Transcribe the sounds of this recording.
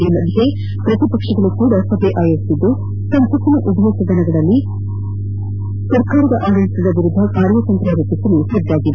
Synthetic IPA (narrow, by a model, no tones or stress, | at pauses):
inɐd̪ɦe | pɾɐt̪ipɐkʂɐɡɐɭukuːɽɐsɐbʱeʔaːjɐɾsid̪ːu | sɐnt̪ɐsɐnɐʔud̪ʱʋɐsɐd̪ɐnɐɡɐɭɐlːi | sɐɾkaːɾɐd̪ɐʔaːɡɐɭisid̪ɐʋiɾud̪ʱːɐkaːɾjɐt̪ɐnt̪ɾaːɾɐt̪isɐlusɐd̪ːaːɡid̪e